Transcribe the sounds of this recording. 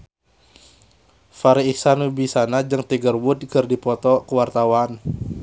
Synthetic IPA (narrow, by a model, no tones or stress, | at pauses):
faɾiisanubisanad͡ʒɨŋt̪iɡərwʊd̪̚kərdipɔt̪ɔkəwart̪awan